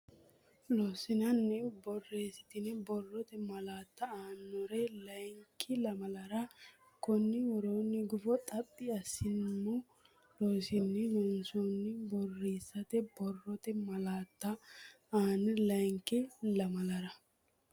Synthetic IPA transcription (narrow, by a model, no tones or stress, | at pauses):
loːsɪnɐnːɛbɔrːeːsɪ̥t̪ɪnɛbɔrːɔt̪ɛmɐlaːt̪ːɐaːnːɔɾɛlɐjŋkʰːɪlɐmɐlɐɾɐ | kɔnːɪwɔɾoːnːɪɡʊfɔt̪ʼɐpʼːɪɐsːɪnːʊ | loːsɪnːɛlɔnsonːɪbɔrːeːsːɐt̪ɛbɔrːɔt̪ɛmɐlaːt̪ːɐ | aːnːɛlɐjŋkːɪlɐmɐlɐɾɐ